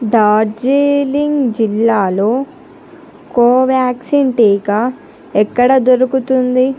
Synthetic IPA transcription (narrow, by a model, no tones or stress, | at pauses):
ɖaːɾd͡ʒeːliŋɡd͡ʒilːaːlo̞ː | koːʋjaːksiɳʈiːka | ɛkːɐɽɐd̪oɾukut̪und̪i